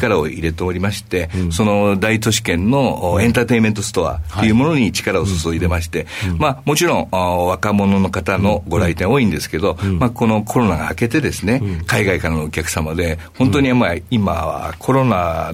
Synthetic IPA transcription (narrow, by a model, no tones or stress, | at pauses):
kaɾao̞̰iɾe̞t̪e̞oɾʲimaɕi̥t̪e̞so̞no̞d̪ait͡s̪o̞ɕi̥kẽ̞nːo̞ẽ̞nt̪aːt̪e̞ime̞nt̪o̞sɨ̥t̪o̞a̰t̪ːejɯ̟mo̞no̞ɲ̟it͡ɕi̥kaɾao̞sosoid̪e̞maɕi̥t̪e̞mamo̞t͡ɕiɾõ̞ŋβakamo̞no̞no̞kat̪ano̞ɡo̞ɾait̪ẽo̞ːĩnd̪e̞sɨ̥ke̞d̪o̞mako̞no̞kʰo̞ɾo̞naɡa̰ːke̞t̪e̞d̪e̞sɨne̞kaiɡaikaɾanoːkʲakɯ̥samad̪e̞ho̞nt̪o̞ɲ̟iamaima̰kʰo̞ɾo̞na